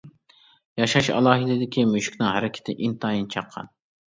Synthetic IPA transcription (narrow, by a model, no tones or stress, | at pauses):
jɑʃɑʃɑ̰lˠɑːɦɪd̪ɪd̪ɪkʲʰimøʃkʲnɪŋhæɾɪkʲʰɪ̥t̪ʰɪʔint̪ʰɑjint͡ʃʰɑqʰːɑ̰n